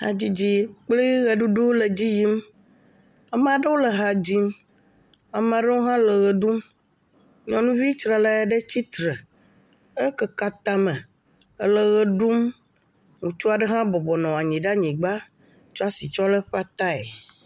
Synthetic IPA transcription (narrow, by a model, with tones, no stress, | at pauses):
ha̰˨d͡ʑi˦d͡ʑi˦k͡ple˦ɣe˨ɖu˦ɖu˦le˨d͡ʑi˦ji˦m | ɛ˦m˦a˨ɖə˦wo˦le˨ɦa˨d͡ʑi˦m | a˨m˦a˨ɖɛ˦wo˦ɦã˦lə˨ɣɛ˨ɖu˦m | ɲɔ̃˨nũ˦vi˦t͡ʃɾa˨la˦ja˨ɖe˦t͡ɕi˦t̪ɾɛ˨ | e˦kɛ˦ka˨t̪a˦mɛ̃˨ | ə˦lə˨ɣɛ˨ɖu˦m | ŋũ˨t͡ʃu˦a˨ɖe˦ɦã˦bɔ˨bɔ˨nɔ̃˨a˨ɲĩ˨ɖa˦ɲĩ˨ɡ͡ba˦ | t͡ʃɔ˦a˦si˨t͡ʃɔ˦lɛ˦ɸa˦t̪a˦ḛ˨